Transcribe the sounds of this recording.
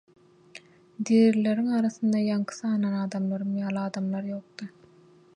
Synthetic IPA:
d̪iɾleɾiŋɑːɾɑθɯnd̪ɑjɑŋkʰɯ̥θɑːnɑnɑːd̪ɑmlˠɑɾɯmjɑːlˠɑːd̪ɑmlˠɑɾjo̞ːq̚d̪ɯ

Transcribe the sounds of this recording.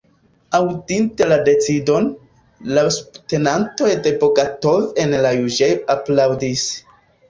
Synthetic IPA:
awdinte̞lade̞t͡sido̞n | lasu̥bte̞nanto̞jde̞boɡatovenlajud͡ʒejaplawdis

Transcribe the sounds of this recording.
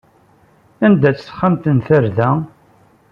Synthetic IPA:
ænd̪æt͡sːsχːamt̪ənθəɾðæ

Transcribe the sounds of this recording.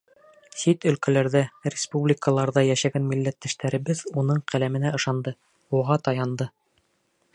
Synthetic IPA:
sit̪ɵ̆lkælæɾðæɾʲɪspublʲikəlˠɑɾðɑjæʃæɡænmilːæt̪ːæʃt̪æɾɘ̆βɘðunɤɴqælæmɘ̆næɤ̆ʃɑnd̪ɤ | uʁɑt̪ɑjɑnd̪ɤ

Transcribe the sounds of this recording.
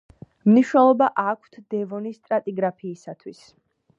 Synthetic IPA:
mniʃnɛlˠɔbaʔakʷʰt̪ʰd̪ɛvɔnist̪ʼɾat̪ʼiɡɾapʰiːsat̪ʰwis

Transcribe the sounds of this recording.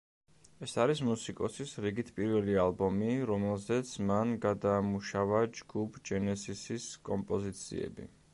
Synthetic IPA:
ɛsaɾismusikʼɔsisɾiɡit̪ʰpʼiɾvɛlialˠbɔmiɾɔmɛlˠzɛt̪sʰmanɡad̪aːmuʃavad͡ʒɡupʰd͡ʒɛnɛsisiskʼɔmpʼɔzit̪sʰḭɛ̰bḭ

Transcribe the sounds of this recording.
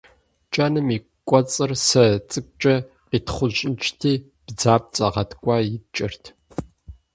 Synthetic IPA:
t͡ʃʼɐnɨmi | kʷʼɔt͡sʼɨrsɐt͡sʼɨk̚ʷʼt͡ʃʼɐ | qitʰχʷʊɕʼɪt͡ʃʰtʰiː | b̥d͡zaːp̚t͡sʼɐʁɐtʰkʷʼɑːjɪt͡ʃʼɪrtʰ

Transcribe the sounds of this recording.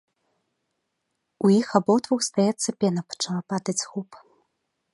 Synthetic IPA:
ujixabɔt̪vuxst̪ajɛt̪sːɐpʲɛnɐpɐ̥t͡ʂavapad̪ɐt͡sʲɣup

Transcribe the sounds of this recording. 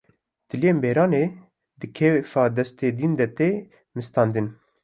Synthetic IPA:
t̪ɨlijeːmbeːɾɑːneː | d̪ɨkʰɛwefɑːd̪ɛst̪eːd̪ind̪ɛt̪eː | mɨst̪ɑːnd̪ɨn

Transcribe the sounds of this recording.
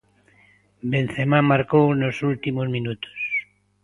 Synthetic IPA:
bẽn̟θemãmaɾkownosult̪imozmĩnut̪o̥s

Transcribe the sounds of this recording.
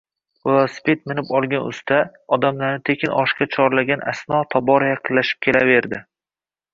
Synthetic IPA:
aspet̪̚mɪnɪpɒlˠɡʲanʊ̰st̪ʰaɒd̪amlaɾnɪt̪ʰe̞kʲʰɪnɒʃkʲat͡ʃʰɒɾlaɡʲanʔa̰snɒt̪ʰɒbɒɾajɑqʰɨllːaʃɪ̥p̚kʲʰe̞lave̞ɾd̪ɪ

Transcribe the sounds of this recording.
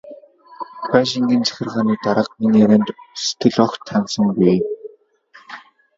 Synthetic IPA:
paʃ̬iŋɡint͡sæ̥xʲɪ̆rʁaːniːt̪aɾə̆q̚miniːeɾæːnt̪se̥t̪ɡɘ̆ɮɔxt̪ʰːansə̆ŋɡij

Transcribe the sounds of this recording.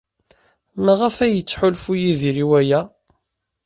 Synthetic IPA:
mæʁæfæjət͡sːħʊlfujiðiɾiwæjæ

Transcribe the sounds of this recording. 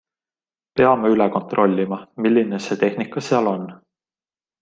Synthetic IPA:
pe̞ɑmeylɛko̞nt̪rʔo̞lʲːimɑmilʲːine̞se̞ːt̪e̞hnikːˑɑseɑlo̞nː

